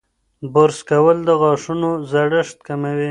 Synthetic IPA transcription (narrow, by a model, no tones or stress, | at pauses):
bʊɾskawəld̪əɣɑʂunozaɽəʂt̪̚kamawi